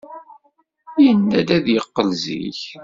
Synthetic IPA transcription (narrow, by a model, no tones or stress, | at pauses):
jənːæd̪æðjəqːəlzḭç